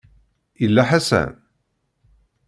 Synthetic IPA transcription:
əlːaħasæ̰n

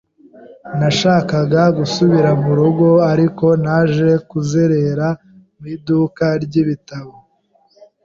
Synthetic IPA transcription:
naʃaːkaɡaɡusuβiɾamuɾuɡo̞aɾiko̞naːʒe̞kuzeɾeɾa | miːduːkaɾɟiβitaβo

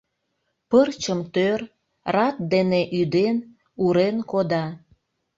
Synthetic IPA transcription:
pərt͡ɕəmt̪ør | rɑt̪̚d̪eneʔyd̪en | uɾenkod̪ɑ

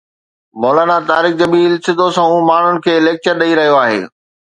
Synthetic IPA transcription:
mɔːlaːnat̪aːɾiːk̚d͡ʑɐbiːlsɪd̪ʱosãũːmaːɳ̤ʊnɪ̆kʰeːɪleːk̚t͡ɕəɾɗɐiɾɐɦijoaːɦḛː

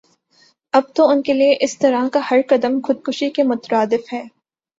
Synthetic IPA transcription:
ɐb̚t̪oʊnkelieʔɪst̪ɐɾakahɐɾkɐd̪əmxʊd̪̚kʊʃikemʊt̪ɾaːd̪ɪfɦɛː

